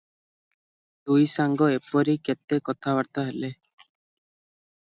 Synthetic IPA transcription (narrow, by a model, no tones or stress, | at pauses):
d̪ujsaŋɡɔepɔɾiket̪ekɔt̪ʰabaɾt̪aɦele